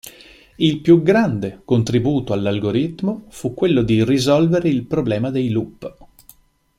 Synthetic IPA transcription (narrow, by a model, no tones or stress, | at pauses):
ilpjuɡɾand̪ekont̪ɾibuːt̪oalːalɡoɾit̪ːmofukːwelːod̪irizɔlveɾeilpɾoblɛːmad̪ejlupː